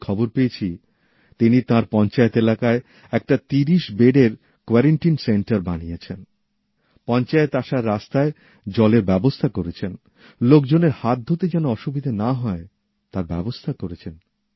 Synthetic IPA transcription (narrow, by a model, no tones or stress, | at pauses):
kʰɔboɾpeet͡ɕʰi | t̪init̪ãɾpɔnt͡ɕaet̪elakae | ɛk̚ʈat̪iɾiʃbeɖeɾ | kwɛɾeɳʈinseɳʈaɾbanijet͡ɕʰen | pɔnt͡ɕaet̪aʃaɾːast̪ae | d͡ʑɔleɾbɛbost̪ʰakoɾet͡ɕʰen | lok̚d͡ʑoneɾhat̪̚d̪ʱot̪id͡ʑɛnoɔʃubid̪ʱanaɦɔe | t̪ãɾbɛbost̪ʰakoɾet͡ɕʰen